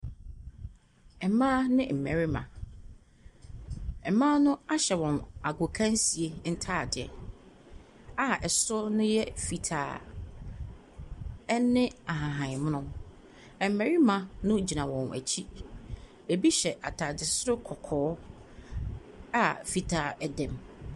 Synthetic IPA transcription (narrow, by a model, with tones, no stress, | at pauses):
ɛ˨mãː˦nɪ̃˦m̩˨mæ˨ɾi˦mã̰˨ | ɛ˨mãː˦nʊ̃˦a˦ɕɛ˨wɔ̃˨na˨ɡo˨kʰã˦n˦si˨e˦n̩˦tʰa˦˨dɪ˨ɛ˨ | a˦ʔɛ˨sʊ˦nʊ̃˦jɛ˦fi˨tʰa̰ː˨˦ | nɪ̃˦a˨ɦã˨ɦã˨m˦nʊ̃˦ | ɛ˨m˨mæ˨ɾi˦mã˨nʊ̃˦d͡ʑi˨nã˨wɔ̃˨næ̰˨t͡ɕʰi˦ | e˨bi˦ɕɛ˨ʔa̰˨tʰa˨dɪ˨sʊ˦ɾʊ˦kʰɔ˨kʰɔː˨˦ | a˦fi˨tʰaː˨ɛ˦dɛ̃˨m